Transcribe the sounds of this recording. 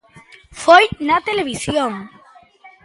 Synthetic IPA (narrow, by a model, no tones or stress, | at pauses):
fojnat̪eleβ̞isjoŋ